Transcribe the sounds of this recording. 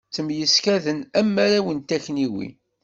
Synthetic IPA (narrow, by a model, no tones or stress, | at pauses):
t͡sːəmjəskæðənæmːæɾæwənt̪æçniwḭ